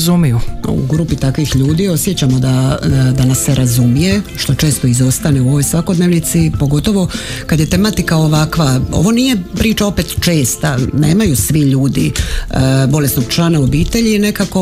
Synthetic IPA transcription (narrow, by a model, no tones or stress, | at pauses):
zumijuṵɡɾuːpit̪akʋixʎuːd̪io̞sje̞t͡ɕamo̞d̪ad̪anasːeɾʔazumije̞ʃt̪o̞t͡ʃe̞ːst̪oizo̞st̪ane̞uo̞ʋo̞jsʋako̞d̪ne̞ʋnit̪sipo̞ɡo̞t̪o̞ʋo̞kad̪je̞t̪e̞mat̪ikao̞ʋakʋao̰ʋo̞nije̞pɾiːt͡ʃao̞pe̞t̪t͡ʃe̞ːst̪anḛːmajusʋiʎuːd̪i | bo̞lesno̞ɡ̚t͡ʃlaːnao̞biːt̪e̞ʎine̞kako̞